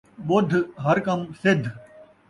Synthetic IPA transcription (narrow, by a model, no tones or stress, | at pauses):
ɓʊd̪ʱɦəɾkɐmsɪd̪ʱ